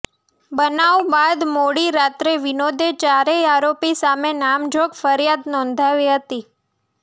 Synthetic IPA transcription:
bənaʋbad̪moɽiɾat̪ɾeʋinod̪ʱet͡ʃaɾeaɾopisamenamd͡ʒʱoɡfəɾjad̪nɔ̃nd̪ʱaʋiɦət̪i

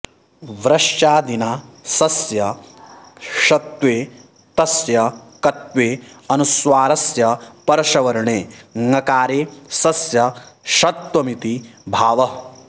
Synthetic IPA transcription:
ʋɾɐʂt͡ʃaːd̪inaːsɐsjɐ | ʃɐt̪ʋeː | t̪ɐsjɐkɐt̪ʋeːɐnusʋaːɾɐsjɐpɐɾɐʃɐʋɐɾɐɳeːŋɐkaːɾeːsɐsjɐʃɐt̪wɐmit̪ibʱaːʋɐ

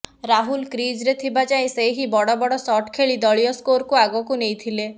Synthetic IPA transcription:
ɾaɦulkɾid͡ʒɾet̪ʰibad͡ʒaĩseɦibɔɽɔbɔɽɔsɔʈkʰeɭid̪ɔɭijɔskoɾkuaɡɔkunejt̪ʰile

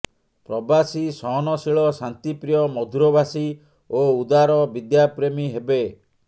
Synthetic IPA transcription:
pɾɔbasisɔɦɔnɔsiɭɔsant̪ipɾijɔmɔd̪ʱuɾɔbasi | oud̪aɾɔbid̪japɾemiɦebe

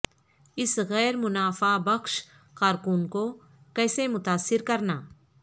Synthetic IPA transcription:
ɪsɣɛːɾmʊnaːfabɐkʃ | kaːɾkuːnko | kɛːsemʊt̪aːsːɪɾkɐɾnaː

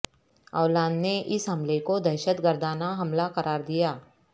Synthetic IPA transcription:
ɔːlãːnneʔɪsɦɐmlekod̪ɐʃət̪ɡəɾd̪ʱaːnaɦɐmlaqɐɾʔaːɾd̪ijaː

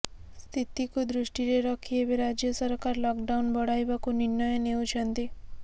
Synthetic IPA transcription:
st̪ʰit̪ikud̪ɾuʂʈiɾeɾɔkʰiebeɾad͡ʒjəsəɾkaɾlɔkɖawnbɔɽajʋakuninːəjəneut͡ʃʰənt̪i

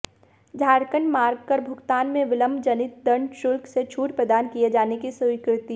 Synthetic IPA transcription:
d͡ʒʱaːɾkəɳɖmaːɾɡ̚kəɾbʱʊɡt̪aːnmẽʋɪləmd͡ʒɐnɪt̪̚d̪ɐɳɖʃʊlkset͡ʃʰuːʈpɾəd̪aːnkijed͡ʒaːnekisəʋɪkɾɪt̪i

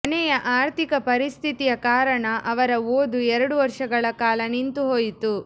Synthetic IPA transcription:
ɐnɛjɐʔaːɾt̪ʰikɐpɐɾist̪ʰit̪ijɐkaːɾɐɳɐʔɐʋɐɾɐoːd̪uɛɾɐɽuʋɐɾʂɐɡɐɭɐkaːlɐnint̪uɦoːjit̪u

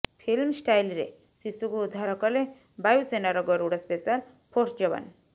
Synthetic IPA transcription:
pʰilmsʈajlɾḛ | sisuɡuud̪ʱaɾɔkɔle | bajusenaɾɔɡɔɾuɽaspesal | pʰɔʈʰd͡ʒɔba̰n

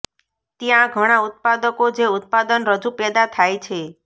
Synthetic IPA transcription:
t̪jãɡʱəɽ̃aut̪̚pad̪əkod͡ʒeut̪̚pad̪ənɾəd͡ʒupɛd̪at̪ʰajt͡ʃʰe

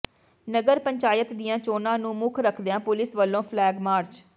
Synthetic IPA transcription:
nəɡəɾpəɲt͡ʃaːjət̪d̪ɪjãːt͡ʃoːnãːnũːmʊkʰɾəkʰd̪eãːpʊlɪsʋəlːõːpʰlɛːɡmaːɾt͡ʃ

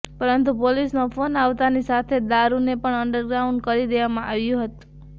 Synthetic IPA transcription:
pəɾənt̪̬upolisnofʰonaʋt̪anisat̪ʰed̪aɾunepəɳəɳɖəɾɡɾauɳɖ̚kəɾid̪eʋamãʔaʋjũɦət̪ũ̥

